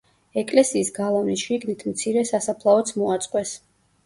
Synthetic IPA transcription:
ɛkʼlɛsiːsɡalˠavnisʃiɡnit̪ʰmt̪sʰiɾɛsasapʰlˠaɔt̪sʰmɔat̪sʼqʼwɛs

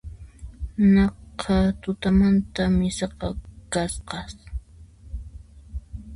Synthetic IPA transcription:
nɑqʰɑt̪ʊt̪amant̪amɪsɑqɑkasqɑs

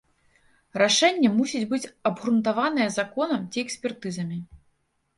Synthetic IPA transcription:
raʂɛnʲːɛmusʲid͡zʲbɨt͡sʲɐbɣɾunt̪avanɨjɛzakɔnɐmt͡sʲiɛksʲpʲɛrt̪ɨzɐmʲi

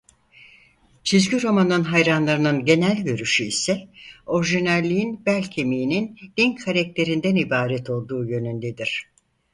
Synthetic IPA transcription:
t͡ʃʰizɟyɾo̞manɯnɦajɾanlˠaɾɯnɯnɟe̞nælʲɟø̞ɾyʃyisɛo̞ɾʒinælʲːijinbælʲcʰemijinind̪̥inkʰaɾɛc̚t̪ʰe̞ɾind̪ænibaːɾɛt̪ʰo̞lˠd̪uːjø̞nynd̪ed̪iɾ̥

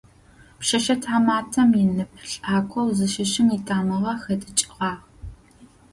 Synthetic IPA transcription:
pʃɐʃɐtʰaːmaːtʰɐmjɪnɨp̚ʰɬʼaːkʷʰɔwzɨʃɪʃɪmiːtʰaːmɨʁɐxɐdɨt͡ʃʼɪʁɑːʁ

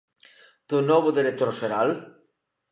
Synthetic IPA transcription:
d̪̥unɔβuðiɾet̪ɔɾsʃeɾal

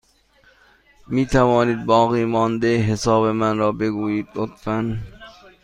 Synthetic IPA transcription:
miːt̪ʰævɒːniːd̪̚bɒːɣiːmɒːnd̪eɦesɒːbe̞mænɾɒːbe̞ɡuːjiːd̪̥lot̪fæn

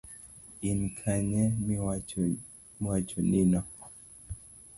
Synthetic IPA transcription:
inkʰaɲɛma | mat͡ʃɔninɔ

